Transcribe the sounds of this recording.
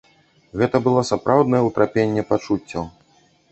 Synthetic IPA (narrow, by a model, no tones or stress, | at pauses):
ɣɛt̪ɐbɨlˠɔsapɾʔawd̪nɐjɛut̪ɾapʲenʲːɛpat͡ʂut͡sʲːɐ